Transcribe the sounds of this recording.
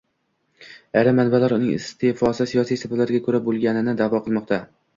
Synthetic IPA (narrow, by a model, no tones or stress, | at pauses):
aɾamːanbalaɾʊnɪŋɪ̰st̪ʰefɒsɪsijɒsijsɪbalaɾɡʲakʰɵɾabolˠɡʲanɪnɪd̪avɒqʰɨlˠmɒq̚t̪ʰa